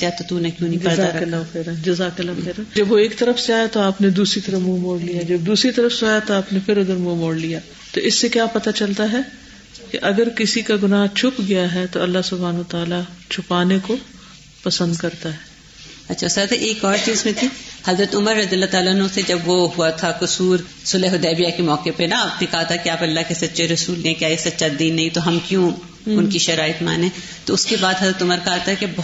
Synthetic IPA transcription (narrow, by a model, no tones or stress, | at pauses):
kaːt̪ot̪unɐ̃kjũːnĩd͡ʒɐɾzaaːɾklːaɐxeːɾɐd͡ʒɐzaːkəlːaxeːɾənd͡ʒɐbʋoeːkt̪ɐɾəfseaːjat̪oaːpned̪uːsɾit̪ɐɾəfmuːmoːɽlijad͡ʒɐb̚d̪uːsɾit̪ɐɾəfseaːjat̪oaːpnefʰɪɾʊd̪əɾmuːmoːɽlijaː | t̪oɪsːekjaːpɐt̪at͡ʃɐlt̪aɦɛ | keʔɐɡəɾkɪsikaɡʊnaːɦt͡ʃʰʊpɡɐjaɦɛt̪oɐlːaɦsʊbʱaːnət̪aːlat͡ʃʰʊpaːneko | pɐsə̃nd̪kɐɾt̪aɦɛː | ɐtːʃʰasɐt̪ʰʔeːkɔːɾt͡ʃiːzmẽt̪ʰihɐzɾət̪ʊməɾːɐd̪iəlːat̪aːlaːnõsed͡ʒɐbʋoɦuat̪ʰakʊsuːɾ | sʊleːɦʊd̪ɛːbijakemɔːkepenaaːpnẽkɐɦat̪ʰakeaːpɐlːaɦkesɐtːʃʰeɾɐsuːleẽkjaːesɐtːʃad̪iːnːɐɦĩt̪oɦɐmkjũ | ʊnkiʃɐɾaːɪt̪ma̰ːnẽ | t̪oʊskebaːd̪ɦɐzɾət̪ʊməɾkɐɦat̪aɦɛkebɐ